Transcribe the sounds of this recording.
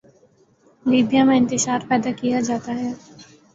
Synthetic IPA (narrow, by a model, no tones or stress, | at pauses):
liːbjamẽɪ̃nt̪ɪʃaːɾpɛːd̪akijad͡ʒaːt̪aɦɛː